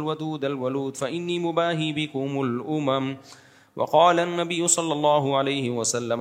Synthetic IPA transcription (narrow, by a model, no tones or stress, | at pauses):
lwad̪uːd̪alwaluːd̪faʔɪnːiːmʊbaːɦiːbɪkʊmʊlʔʊmam | wʔɑ̰qɑːlanːabɪjːʊsˤɑlːɑlˤːɑːɦʊʕalajhɪwasalːam